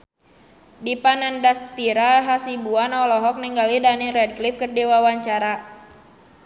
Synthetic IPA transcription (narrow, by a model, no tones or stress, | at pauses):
dipanandast̪iɾaɦasibuanɔlɔɦɔk̚nɛŋɡalidanirɛd̚klip̚kərdiwawaɲt͡ʃaɾa